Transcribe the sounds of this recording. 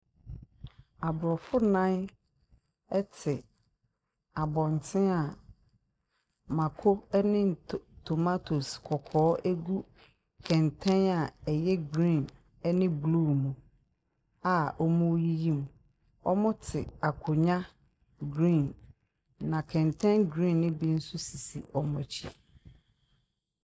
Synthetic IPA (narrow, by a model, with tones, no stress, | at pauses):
a˨bʊ˨ɾɔ˨fʊ˦nã˦n | ɛ˦tʰɪ˨ | a˨bɔ̃˨n˨tʰɪ̃˦a˨ | mã˨kʰo˦ɛ˦nɪ̃˦n˨ttʰo˨ma˦tʰo˨skʰɔ˨kʰɔː˨˦ʔæ˦ɡu˦ | kʰɛ̃˨ntʰɛ̃˦na˨ɛ˨jɛ˦ɡɾĩ˦˨n | ɛ˦nɪ̃˦blu˦˨mũ˨ | a˨ɔ˦mũ˦ji˦jĩ˦m˨ | ɔ˦mʊ̃˦tʰɪ˨a˨kʰʊ˨ɲã˦ | ɡɾĩ˦˨n | nã˨kʰɛ̃˨ntʰɛ̃˦nɡɾĩ˦˨nːɪ̃˦bi˦n̩˦sʊ˦si˨sḭ˨ɔ˨mɔ̃˨t͡ɕʰḭ˦